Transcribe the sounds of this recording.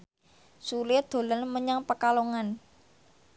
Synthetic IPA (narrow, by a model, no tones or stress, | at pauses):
sulɪd̪̥o̤lənməɲaŋpəkaloŋan